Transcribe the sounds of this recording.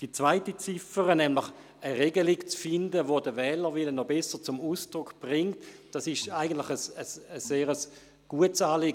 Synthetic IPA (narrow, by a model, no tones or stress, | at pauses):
d̥it͡sv̥aɪtit͡sɪfəʁənɛmlɪχ | əʁeɡəlɪkt͡sfɪndəvodəvɛːləʋɪlənɔbɛsət͡sʊmuːsd̥ʁʊkb̥ʁɪŋtd̥ɑsɪʃaɪɡən̩tlɪχəsəsəseːʁəs | ɡ̥uətsaːlɪːɡ